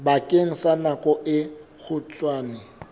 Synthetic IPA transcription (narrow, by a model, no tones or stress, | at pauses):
bakʼeŋ̩sanakʼɔʔɪ | ɣʊt͡sʼwaːnɪ